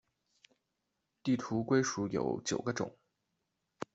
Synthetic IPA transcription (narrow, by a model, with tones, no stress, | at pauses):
t̪i˥˩t̪ʰu˧˥kwe˥ɪʂu˧˥jo̰˨˧˥ʊt͡ɕjo˨˩ʊɡə˦ʈ͡ʂʊ̰˨˩˦ŋ